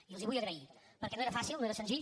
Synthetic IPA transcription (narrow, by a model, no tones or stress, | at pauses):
ilˠziβujəɣɾəi | pəɾkɛnoeɾəfasilˠnoeɾəsənziʎ